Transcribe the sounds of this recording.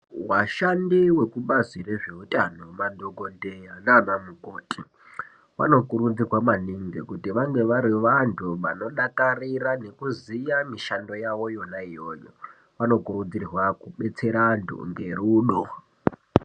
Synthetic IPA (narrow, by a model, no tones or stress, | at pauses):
waʃandiwe̞kuɓazire̞ʐe̞utʼano̞mandoɡʱondejananamukoːtʼi | ʋa̰no̞kuɾud͡zirwamaniŋɡekutiʋaŋɡe̞ʋaɾiʋantʰuʋa̰no̞ɗakarirane̞kuzijamiʃando̞jaʋo̞jo̞naijo̞̰ːjo̰ | ʋano̞kuɾud͡zirwakuɓe̞t͡se̞ɾandʰʱṵŋɡe̞̰ɾuːɗo